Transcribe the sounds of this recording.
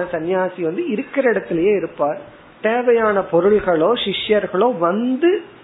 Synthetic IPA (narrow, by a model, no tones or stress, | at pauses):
ɐsɐnjaːsiʋɐnd̪ɯɪɾɯkːɪɾɐɪɽɐt̪ːɪlɐjeːɪɾɯpːaːɾ | t̪eːʋɐjaːnɐpɔɾɯɭɣɐɭoːʃɪʂjɐɾɣɐɭoːʋɐnd̪ɯ